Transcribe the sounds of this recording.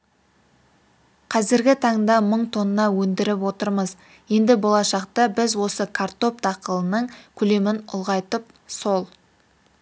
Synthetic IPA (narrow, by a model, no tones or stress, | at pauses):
qʰɑzɪɾɡʲɪt̪ʰɑɴd̪ɑməɴt̪ʰo̞nənɑwɵnd̪ɪɾɪp̬wo̞t̪əɾməz | je̞nd̪ɪbo̞lˠɑʃɑqt̪əbɪzwo̞səkʰart̪o̞p̚t̪ɑqəlˠənəɴkʲʰʏle̞mɪnʊ̰lˠʁɑjt̪əp | so̞lˠ